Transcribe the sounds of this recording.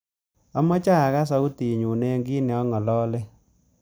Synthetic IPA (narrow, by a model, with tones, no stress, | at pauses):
a˦mɔ˦t͡ʃa˦˨ɣa˦s̬a˦u˦ti˨ɲu˨ne˦ŋɡi˦ne˨ɔ˦ŋɔ˨lɔ˦le˦